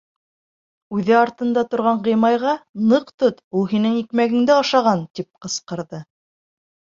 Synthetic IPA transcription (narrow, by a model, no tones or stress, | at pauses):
ʉðɘɑɾt̪ɤ̆nd̪ɑt̪ŏɾʁɑɴʁɤ̆jmɑjʁɑnɤqt̪ot̪ulˠɦinɘŋikmæɡɘ̆ŋd̪ɘɑʃɑʁɑnt̪ip̚qɤ̆sqɤ̆ɾðɤ